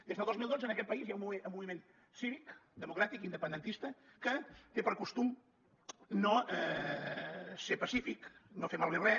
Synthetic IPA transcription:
d̪ezðəlˠd̪ozmilˠd̪ozənəkɛt̪̚pəizjaumueəmuβimen | siβikd̪əmukɾat̪ikind̪əpənd̪ənt̪ist̪əkət̪epəɾkust̪um | noɛ | sepəsifiknofemalˠβeβrɾɛ

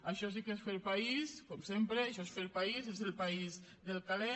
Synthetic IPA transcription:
aʃɔs̬ikesfelpaiskɔmsempɾeaʃɔesfelpaizezelpaizðelˠkale

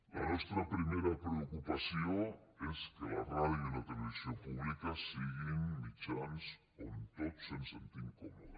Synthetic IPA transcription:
la̰nest̪ɾapɾimeɾapɾeokupasjoeskela̰raðjoilat̪eleβisjompuβlikasiɣinmit͡ʃans | o̰nt̪otsensḛnt̪iŋkomoða

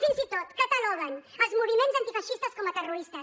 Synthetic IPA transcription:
finzit̪ot̪kət̪alɔɣənəlˠzmuβimenzɐnt̪ifɐʃist̪əskɔmət̪əruɾist̪əs

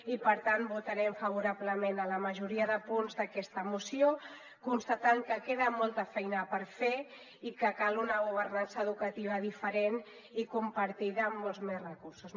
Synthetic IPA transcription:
ipəɾt̪anbut̪əɾɛmfəβ̞uɾaβləmenələməʒuɾiəðəpunzðəkɛst̪əmusio | kunst̪ət̪aŋkəkeðəmɔlˠt̪əfɛjnəpəɾfe | ikəkalunəɣuβ̞ərnansəðukət̪iβ̞əðifəɾen | ikumpəɾt̪iðəːmːolˠzmesrəkuɾsus

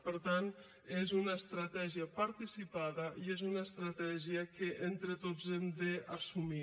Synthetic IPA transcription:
pəɾt̪an | ezunaest̪ɾat̪ɛʒiəpaɾt̪isipaðəiezunaest̪ɾat̪ɛʒiəkeʔent̪ɾet̪ozemd̪easumi

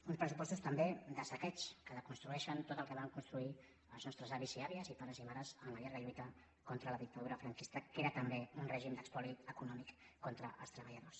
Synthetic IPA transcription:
unspɾəsupɔst̪ust̪əmbed̪əsəkɛt͡ʃkəðəkunst̪ɾuɛʃənt̪ot̪əlˠkəβaŋkunst̪ɾui | əlˠznɔst̪ɾəzaβiziaβiəzipaɾəzimaɾəzəmləʎaɾɣəʎujt̪ə | kɔnt̪ɾələðik̚t̪ɐðuɾəfɾəŋkist̪əkeɾət̪əmbeunrɛʒimd̪əkspɔliəkunɔmikːɔnt̪ɾəʔə̰lˠst̪ɾəβəʎəðos

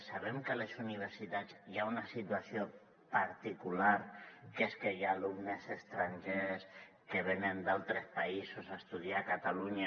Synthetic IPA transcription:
saβɛmkəlesuniβ̞eɾsit̪ad͡ziaunasit̪wasio | paɾt̪ikulaɾkeskejaːlumnesest̪ɾaɲʒes | keβ̞enend̪alˠt̪ɾespaisosaest̪uð̞iakat̪aluɲa

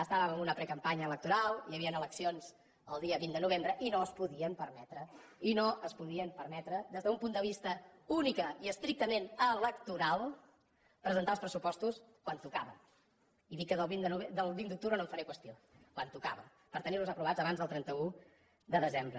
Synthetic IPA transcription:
əst̪aβəməmbunəpɾɛkəmpaɲəːlək̚t̪uɾalˠiəβiənələksionz̥ | ə̰lˠd̪iəβind̪ənuβ̞embɾəʔinoəspuðiəmpəɾmɛt̪ɾəinoəspuðiəmpəɾmɛt̪ɾəd̪ezðəumpund̪əβist̪əunikəiəst̪ɾik̚t̪əmenələkt̪uɾalˠ | pɾəzənt̪alˠspɾəsupɔst̪us | kwant̪ukaβəm | iðikːəðəlˠβind̪ənuβed̪əlˠβind̪uk̚t̪uβɾənoɱfəɾɛkwəst̪io | kwant̪uka̰βəm | pəɾt̪əniɾluzəpɾuβad͡zəβanzðəlˠt̪ɾɛnt̪əu | d̪əðəzembɾə

